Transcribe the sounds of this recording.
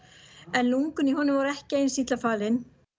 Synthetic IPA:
ɛnluŋkʏniɦɔnʏmvɔɾɛhcɪejnsiːt̪lafaːlɪn

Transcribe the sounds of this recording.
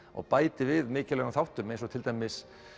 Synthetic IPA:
ɔ̰ɣpaːjt̪ɪvɪðmɪːcɪlɛɣaθawht̪ʏɾmẽjnsɔt̪ʰɪlt̪ajmɪs

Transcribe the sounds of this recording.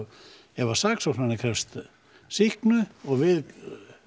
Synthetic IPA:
jɛvḁsaksɔsmanɪkʰɾɛfst̪ | sihknʏɔɣvɪð

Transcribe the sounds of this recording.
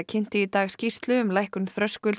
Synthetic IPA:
cʰɪn̥t̪ɪit̪aːɣscist̪lʏʏmlajhkʏnθɾœskʏl

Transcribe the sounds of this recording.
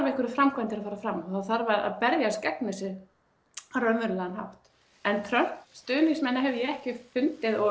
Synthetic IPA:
ɾvɛhkʏɾʏfɾamkvant̪ɪɾaðfaːɾafɾamɔθaðθaɾvaɾa̰ðpɛɾðjascɛknʏsɪɾ | aɾœmʏɾʏlɛðanha̰wht̪ | ɛnt̪ʰɾœhst̪ʏːniŋsmɛnːaɦɛvʏjɛɛhcɪfʏnt̪ɪðɔ

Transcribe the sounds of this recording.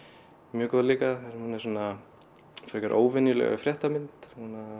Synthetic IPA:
mjœːkɔðliːkaðθasmhunɛ̥suːna | fɛhkaɾʔo̰ːwvɛnjʏlɛ̰ɣa̰fɾjɛht̪amɪnt̪huna

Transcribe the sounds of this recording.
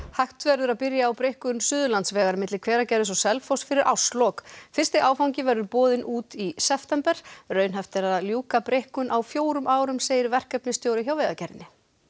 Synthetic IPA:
hajht̪vɛɾðʏɾaðpɪɾjaːwpɾehkʏnsʏːðʏlant̪svɛːɣaɾmɪt̪lɪkʰv̥ɛːɾacɛɾðɪsɔsɛlfowst̪fɪɾɪɾʔa̰wslɔkfɪr̥st̪ɪʔaːwfawɲcɪvɛɾðʏɾpɔːðɪnʔuːt̪isɛft̪ɛmpɛɾ̥rœːɥnɦɛft̪ɪɾaðljuːkapɾehkʏnʔawfjoːwɾʏmʔaːwɾʏmseːjðɪɾvɛr̥kɛpnɪst̪joːwɾɪçawvɛːðacɛɾɪnɪ

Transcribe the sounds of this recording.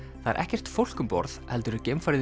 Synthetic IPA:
θaðɛ̰ɾʔɛ̰hcɛr̥t̪fowl̥kʏmpɔ̰ɾθhɛlt̪ʏɾʏcɪmfaɾ

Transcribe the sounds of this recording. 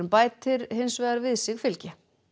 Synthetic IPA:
ʏmpaːjtt̪ʰɪɾhɪnsvɛːɣaɾvɪðsɪɣfɪlcɪ

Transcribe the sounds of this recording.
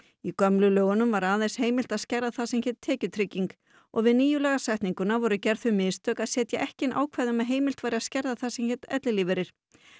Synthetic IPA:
ikœmlʏlœːɣʏnʏmvaɾaːðesheːjmɪlt̪aðscɛɾðaθasɛmçɛːt̪ʰːɛːcʏt̪ʰɾɪcːiŋk | ɔ̰ɣvɪðniːjʏlɛɣasajht̪niŋkʏnavɔɾʏcɛɾ̥ðθfʏmɪst̪œːkaðsɛːt̪jaʔɛhcɪnʔa̰ːwkʰvɛðʏmɛɦeːjmɪl̥t̪vaːjɾɪaðscɛɾðaθasɛmçɛt̪ɛ̰t̪lɪlivɛɾɪɾ̥

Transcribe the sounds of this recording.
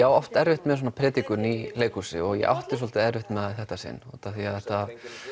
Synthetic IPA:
jaːwɔft̪ɛɾvɪht̪mɛðs̬ɔnapʰɾɛːt̪ikʏnileːjkusɪ̰ɔɣjɛ̰ɣʔa̰wht̪ɪ̥ɾ̥sɔlt̪ɪɛɾvɪht̪mɛðaθɛht̪asɪ̰nːɔ̰t̪aθiaðθɛht̪a

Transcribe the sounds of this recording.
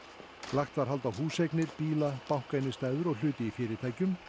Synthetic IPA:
laxt̪vaɾ̥ɦalt̪awhuːsejknɪɾ̥piːlapawŋ̥kajnɪst̪aːjðʏɾɔɣl̥ʏːt̪ɪifɪːɾɪt̪ʰaːjcʏm

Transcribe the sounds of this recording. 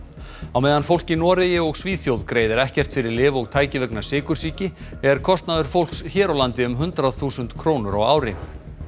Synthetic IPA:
awmeːjðanfowl̥cɪnɔːɾɪjɪɔɣsviːθjowðkɾeːjðɪɾɛhcɛr̥t̪fɪɾɪɾlɪːvɔɣt̪ʰaːjcɪvœknasɪːkʏɾ̥siːcɪɛɾ̥kʰɔst̪naðʏɾ̥fowl̥ksçɛːɾawlant̪ɪʏmɦʏnt̪ɾaðθuːsʏnt̪kʰɾoːwnʏɾa̰ɣa̰ːwɾɪ

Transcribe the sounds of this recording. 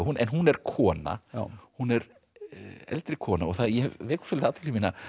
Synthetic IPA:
hunʔɛnɦunɛɾ̥kʰɔːna̰hunɛɾ | ɛ̰lt̪ɾɪkʰɔːnaɔɣθaðjɛvvɛːku̥sʏlt̪aːt̪ʰɪ̥lɪmiːna

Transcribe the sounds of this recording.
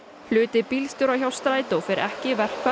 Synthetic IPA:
flʏːt̪ɪpilst̪ʏɾawçjawst̪ɾaːjt̪ɔfɪɾʔɛhcɪvɛr̥kʰva

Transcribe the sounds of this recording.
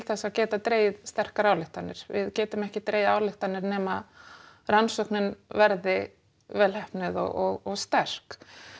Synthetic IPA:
lθɛsaðcɛːt̪at̪ɾeːjðst̪ɛr̥kaɾaːwlɪht̪anːɪɾ̥vɪðcɛːt̪ʏmɛhcɪt̪ɾeːjðaːwlɪht̪anːɪɾnɛːma | ransɔhknɪnvɛɾðɪ | vɛːlhɛhpnɪðɔ̰ɔɣɔɣst̪ɛr̥k

